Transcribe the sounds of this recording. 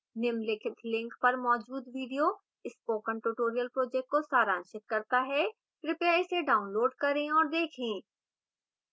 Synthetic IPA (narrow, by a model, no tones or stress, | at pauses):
nɪmlɪkʰɪt̪ʰlɪ̃ŋkpɐɾmɔːd͡ʒuːd̪ʋiːɖijo | ɪspoːkə̃ɳʈuʈoːɾijəlpɾoːd͡ʒɛːk̚ʈ̚kosaːɾãːnʃɪt̪̚kɐɾt̪aɦɛ | ɾɪpjaːjseɖaːʊnloːɖkɐɾẽɔːɾd̪eːkʰẽː